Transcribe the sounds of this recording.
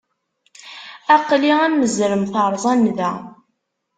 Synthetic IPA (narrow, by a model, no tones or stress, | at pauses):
æqliæmːəzɾəmθəɾˤzˤænðæ